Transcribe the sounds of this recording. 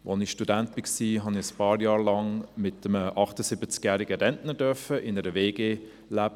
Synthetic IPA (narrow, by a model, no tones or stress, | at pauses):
ʋɔnɪʃtudænt̚b̥ɪksiːɦɑnɪəspɑːɾjɑːɾlɑŋmɪt̪əməʔɑχtəsɪbət͡skjæːɾiɡəɾɛndnədœɾfəʔɪnəɾəveːɡeː | læb